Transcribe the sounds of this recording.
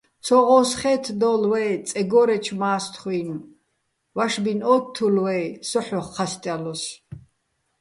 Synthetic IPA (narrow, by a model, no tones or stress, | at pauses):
t͡sʰɔʁɔsχɛːt̪ʰd̪ɔlwɛt͡sʼɛɡɔɾɛt͡ʃʰmaːst̪ʰχwin | waʃbinɔtt̪ʰːulwɛjsɔħɔχqʰast̪ʼjalɔs